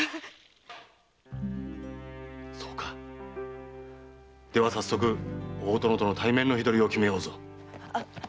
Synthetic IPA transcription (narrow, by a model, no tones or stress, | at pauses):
so̞ːkḁ | d̪̥e̞βasasːo̞k̬ɯ̟oːt̪o̞no̞t̪o̞no̞t̪ʰaimẽ̞nːo̞çid̪o̞ɾʲio̞kʲime̞jo̞ːzo̞